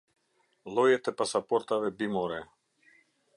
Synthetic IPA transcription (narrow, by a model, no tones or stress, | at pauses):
lˠɔjɛt̪ɛpasapɔɾt̪avɛbimɔɾɛ